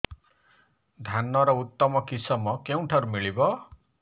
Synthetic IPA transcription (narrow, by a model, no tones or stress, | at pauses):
d̪ʱanːɔɾɔut̪ːɔmɔkisʌmɔkew̃ʈʰaɾumiɭibɔ